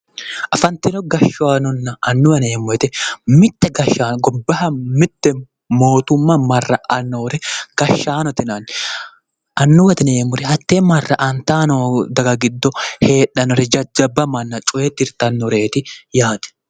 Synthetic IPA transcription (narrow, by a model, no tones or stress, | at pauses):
ʔɐfɐnt̪ɪnɔɡɐʃːʊaːnɔnːɐɐnːʊwɐneːmʊɾɛt̪ɛmɪt̪ːɛɡɐʃːaːnɔɡɔbːɐhɐmɪt̪ːɛ | mo̞ːt̪ʊmːɐmɐrːɐʔɐnːoːɾɛɡ̥ɐʃːaːnɔt̪ɪnan | ʔɐnːʊwɐt̪ɪneːmʊɾɛhɐt̪ːeːmɐrːɐʔɐnt̪aːnɔd̪ɐɡɐɡɪd̪ːɔhe̞ːᶑɐnɔɾɛd͡ʒɐd͡ʒɐbːɐmɐnːɐt͡ʃʼʊʔeːt̪ːɪɾt̪ɐnːɔɾe̞ːt̪ɪjaːd̪ɛ̥